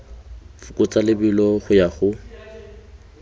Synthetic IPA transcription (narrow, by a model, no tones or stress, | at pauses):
fʊkʼʊt͡sʼalɪbilɔχʊjaχʊ